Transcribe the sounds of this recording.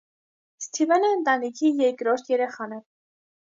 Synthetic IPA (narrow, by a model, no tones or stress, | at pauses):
st̪ʰivɛnɛənt̪ɑnikʰijɛɾkɾɔɾt̪ʰjɛɾɛχɑnɛ